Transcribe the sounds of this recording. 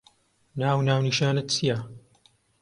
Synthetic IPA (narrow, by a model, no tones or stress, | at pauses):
naːwnaːwniʃaːnɨt̪̚t͡sija